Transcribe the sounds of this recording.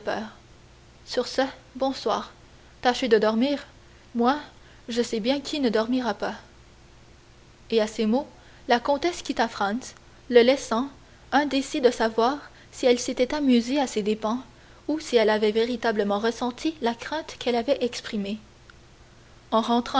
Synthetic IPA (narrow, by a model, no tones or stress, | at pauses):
pœːʁ | syʁsəbɔ̃swa̰ːʁ | t̪aʃed̪əd̪ɔʁmiːʁ | mwa | ʒəsɛbjɛ̃kʲʰinəd̪ɔʁmiʁapa | easemo | lakɔ̃t̪ɛskʲit̪afχɑ̃ns | ləlɛsɑ̃ | ɛ̃d̪esid̪əsavwaːʁ | siɛlset̪ɛt̪amyzeased̪epɑ̃ | usiɛlavɛveʁit̪abləmɑ̃ʁəsɑ̃t̪ʰilakχɛ̃t̪kʰɛlavɛʔɛkspχime | ɑ̃ʁɑ̃t̪χɑ̃